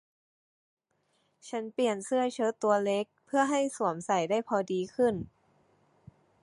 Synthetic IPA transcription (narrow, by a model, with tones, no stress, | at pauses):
t͡ɕʰa˦˥npli˨˩ənsɯ˥˩ɐt͡ɕʰɤː˦˥t̪u˧ɐle˦˥k̚pʰɯ˥˩ɐɦa˥˩jsu˨˩˦əmsa˨˩jdaː˥˩jpʰɔː˧diː˧kʰɯ˥˩n